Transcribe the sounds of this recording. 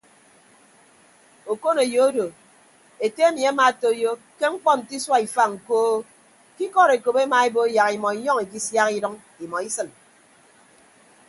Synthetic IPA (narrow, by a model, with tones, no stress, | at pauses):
o˨ko˦ne˨jo˨o˦do˨ | e˨te˦e˦mi˨a˦ma˨to˦jo˦ | ke˦ŋ͡m̩˦k͡pɔ˦n̩˨ti˦swa˦i˨fa˦ŋ̩˨koː˦ | ki˦kɔ˦ɾe˨ko˨pe˦ma˨e˦bo˦ja˨ki˨mɔ˨i˨jɔ˦ŋi˨k̬i˦sja˦ki˦dɔ˦ŋ | i˨mɔ˨i˦sɨ˨n